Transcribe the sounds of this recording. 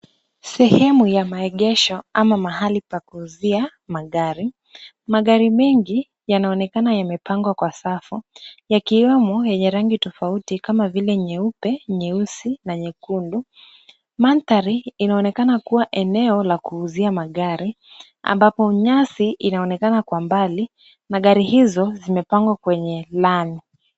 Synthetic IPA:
sɛhɛmujamaɛɠɛʃɔamamahalipakuːzia | maɠaɾi | maɠaɾimɛŋɡi | janaɔnɛkanajamɛpʰaŋɡwakwasafujakiwɛmɔjɛɲɛɾaŋɡitɔfautikamavilɛɲɛupɛɲɛusinaɲɛkundu | mant̪aɾiinaɔnɛkanakuwaʔɛnɛɔlakuːziamaɠaɾi | a̰mbapɔɲasiʔinaɔnɛkanakwambali | naɠaɾihizɔzimɛpaŋɡwakwɛɲɛlani

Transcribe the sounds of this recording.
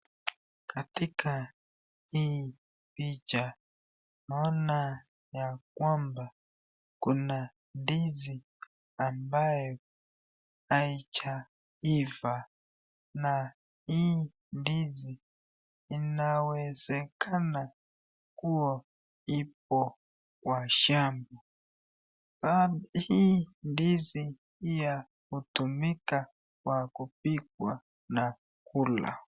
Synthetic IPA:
katikʰa | i | pit͡ʃa | mɔna | jak̚wamba | kuna | ndizi | ambajɔ | ait͡ʃa | iva | na | i | ndiziː | nawɛzɛkʰana | kuɔ | ip̚ɔ | kwaʃambɔ | bahindizi | ija | hutumika | kwakup̚ik̚wa | na | kʰula̰

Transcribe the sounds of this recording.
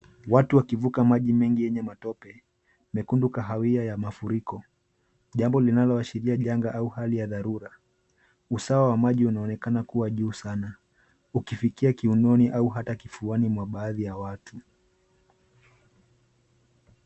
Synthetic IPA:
watuwakivukamaʄimɛŋɡijɛɲɛmatɔpɛ | mɛkundukaɦawiajamafuɾikɔ | ʄambɔlinalɔaʃiɾiaʄaŋɡaʔauhalijaðaɾuɾa | usawawamaʄiunaɔnɛkanakuwaʄuːsana | ukifikiakiunɔniʔauɦatakifuanimwaɓaːðijawatʰu

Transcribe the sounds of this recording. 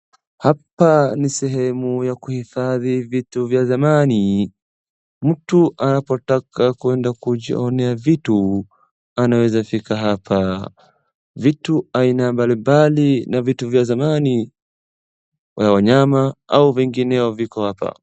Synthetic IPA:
hapanisɛɦɛmujakuhifaðivituvjazamani | m̩tuʔanapɔtakakwɛndakuʄḭɔnɛavitu | anawɛzafikaɦapʰa | vituainambalimbalinavituvjazamani | wawaɲamaʔauvɛŋɡinɛɔvikɔhapa̰

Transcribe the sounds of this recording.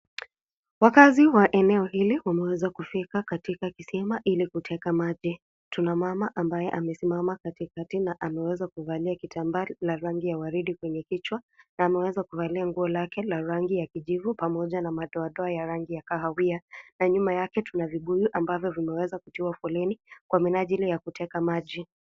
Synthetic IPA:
wakaziwaʔɛnɛɔhiliwamɛwɛzakufikakatikakisɛmaʔilikutʰɛkamaʄi | tunamamaʔambajɛʔamɛsimamakatikatinaʔamɛwɛzakuvaliakitʰambalaɾaŋɡijawaɾiɗikwɛɲɛkit͡ʃwanaːmɛwɛzakuvaliaŋɡuɔlakɛlaɾaŋɡijakiʄivupamɔʄanamaɗɔaɗɔajaɾaŋɡijakahawianaɲumajakɛtunaviɓujuʔambavjɔvimɛwɛzakutiuwafɔlɛnikwaminaʄilijakutʰɛkamaʄi

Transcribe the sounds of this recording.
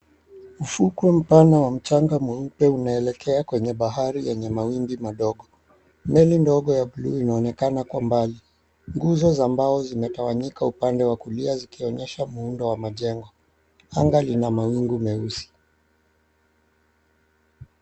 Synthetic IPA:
ufukwɛm̩panawam̩t͡ʃaŋɡamuupɛunaɛlɛkʰɛakwɛɲɛɓaɦaɾijɛɲɛmawimbimaɗɔɠɔ | mɛlindɔɠɔjaɓulṵinaɔnɛkanakuambali | ŋɡuzɔzambaɔzimɛtawaɲikaupandɛwakuliazikiɔɲɛʃamuundɔwamaʄɛŋɡɔ | aŋɡalinamawiŋɡumɛusi̥

